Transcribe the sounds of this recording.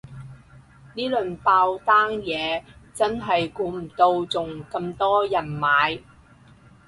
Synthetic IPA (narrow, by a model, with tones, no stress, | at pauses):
niː˥lɵ˨npaː˧wt̪aː˥ŋjɛː˨˧t͡sɐ˥nɦɐ˨jkuː˨˧˥m̩˨˩t̪o˧wt͡sʊ˨ŋkɐ˧mt̪ɔː˥jɐ˨˩nmaː˨˧j